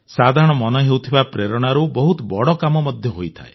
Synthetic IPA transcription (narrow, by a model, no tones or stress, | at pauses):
sad̪ʱaɾɔɽ̃ɔmɔnɔɦewt̪ʰibapɾeɾɔɽ̃aɾubɔɦut̪ɔbɔɽɔkamɔmɔd̪ʱjɔɦojt̪ʰa̰e